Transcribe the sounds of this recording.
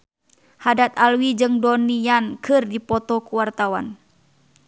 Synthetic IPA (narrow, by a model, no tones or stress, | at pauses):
hadat̪alwid͡ʒɨŋdɔnijankɨrdipɔt̪ɔkuwart̪awa̰n